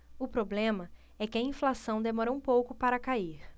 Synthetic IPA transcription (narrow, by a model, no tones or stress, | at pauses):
ʊpɾoblẽmɐ | ɛkɪɐĩflasɐ̃w̃d̪emɔɾɐũpowkʊpaɾɐkaiɾ